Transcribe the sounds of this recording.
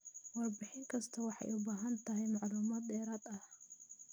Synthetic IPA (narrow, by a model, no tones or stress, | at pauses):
wɐrbɪħɪŋkʰɐst̪ʰɐwɑħɑ̰jʔʊbaːɦɐnt̪ʰɐɦɛjmɑʕluːmaːd̪dɛːɾaːd̪ɐh